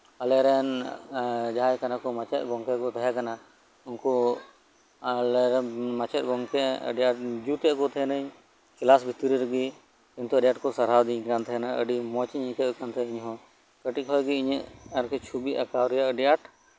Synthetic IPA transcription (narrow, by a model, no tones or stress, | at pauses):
alɛɾɛn | d͡ʒaɦajkanakɔmat͡ʃɛ̰t̪̚ˀɡɔŋkɛkɔt̪ɛɦɛkana | unkɔ | lɛɾɛmat͡ʃɛt̪̚ˀɡɔŋkɛə̰ɖijaʈ̚d͡ʒut̪ɛʔkɔt̪ʰɛɦɛnəɲ | kilasbʱit̪ɾiɾəɡi | int̪ɔəɖjaʈkɔsaɾawd̪iɲkant̪ʰɛɦɛnaʔə̰ɖimɔt͡ʃiɲɛ̃kəʔkant̪ʰɛiɲɦɔ̃ | kəʈikɦɔjɡiɲəʔəɾkɛt͡ʃʰubiʔakawɾɛjaʔəɖijaʈ